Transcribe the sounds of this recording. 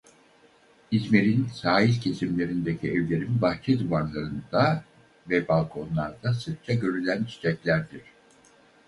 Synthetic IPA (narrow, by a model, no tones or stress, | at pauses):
izme̞ɾinsaːɦilʲcʰe̞simlʲe̞ɾind̪e̞cʰiɛvlʲe̞ɾimbaxt͡ʃʰɛd̪uvaɾlˠaɾɯnd̪a | vɛbalˠkʰo̞nlˠaɾd̪asɯɾ̚t͡ʃʰaɟø̞ɾylʲænt͡ʃʰi̥t͡ʃʰɛclʲæɾd̪iɾ̝̥